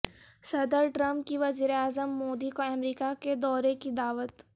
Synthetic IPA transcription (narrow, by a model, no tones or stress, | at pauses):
sɐd̪əɾʈɾɐ̃mp̚kiʋɐziːɾeaːzəmːoːd̪ikoɛmɾiːkaked̪ɔːɾekid̪aːʋət̪